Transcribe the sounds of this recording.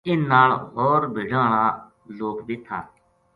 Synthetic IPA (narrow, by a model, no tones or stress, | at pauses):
ɪnːaːɭɦɔːɾbʱɪːɖaːɳ̃aː | loːkd̪ɪt̪ʰːaː